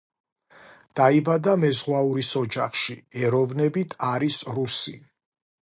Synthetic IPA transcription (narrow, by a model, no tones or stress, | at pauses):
d̪̥aibad̪amɛzʁwauɾisɔd͡ʒaχʃiɛɾɔvnɛbit̪ʰaɾisɾusi